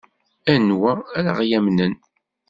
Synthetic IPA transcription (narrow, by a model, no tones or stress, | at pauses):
ænwææɾa̰ʁjæmnən